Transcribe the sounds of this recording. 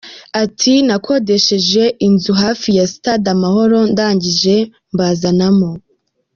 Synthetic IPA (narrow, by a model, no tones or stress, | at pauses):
atʰinakʰo̞de̞ʃeʒe̞ʔinzuɦafijasi̥tadamaho̞ɾo̞ndaːɲɟiʒe̞ | mbazanamo